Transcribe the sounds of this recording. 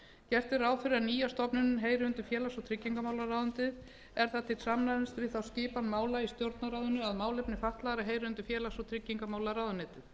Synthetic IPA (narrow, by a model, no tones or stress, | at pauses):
cɛr̥t̪ɪɾaːwfɪɾɪaniːjast̪ɔpnʏnʏmɦeːjɾɪʏnt̪ʏfjɛːlasɔt̪ʰɾɪcːiŋkamaːwlaɾawðʏnt̪ɪð | ɛɾ̥θat̪ʰɪt̪samnaɪnst̪vɪðθawscɪːpanmaːwlaist̪jowɾt̪naɾawðʏnʏaðmaːwlɛpnɪfaht̪laðɾɪɦeːjɾɪʏnt̪ʏfjɛːlasɔt̪ʰɾɪcːiŋkamaːwlaɾawðʏnɪːt̪ɪ